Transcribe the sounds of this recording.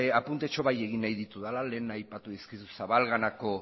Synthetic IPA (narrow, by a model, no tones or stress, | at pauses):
apunt̪e̞t͡ʃo̞βaje̞ɣ̞inajðit̪uðalale̞ːnajpat̪uðiskisusaβalɣanako̞